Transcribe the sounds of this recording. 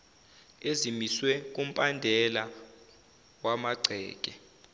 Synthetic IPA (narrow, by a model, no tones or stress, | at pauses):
ezimiswɛk̬ʼum̩pʼandʱɛla | wamaɡ͡ǀʱɛ̰ːk̬ʼɛ